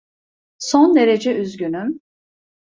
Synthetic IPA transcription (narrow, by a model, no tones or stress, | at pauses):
sond̪e̞ɾe̞d͡ʒɛʔyzɟynym